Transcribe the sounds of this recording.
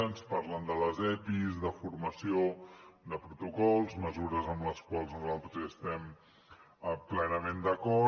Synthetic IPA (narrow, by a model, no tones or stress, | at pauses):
nspaɾlənd̪ələzɛpizðəfuɾməsiod̪əpɾut̪ukɔlˠzməzuɾəzəmləskwalˠznuzalˠt̪ɾəzəst̪ɛm | plɛnəmend̪əkɔ